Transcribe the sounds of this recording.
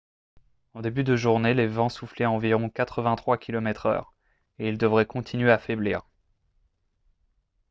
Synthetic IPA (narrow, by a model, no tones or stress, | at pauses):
ɑ̃d̪ebyd̪əʒuʁnelevɑ̃suflɛɑ̃viʁɔ̃kat̪χəvɛ̃t̪χwakʲʰilɔmɛt̪χœ̰ːʁ | eild̪əvʁɛkɔ̃t̪ʰinɥeafɛblḭːʁ